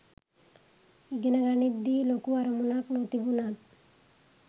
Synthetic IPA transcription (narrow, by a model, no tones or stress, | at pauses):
iɡenaɡanid̪ilokuaɾomunaknot̪ibunat̪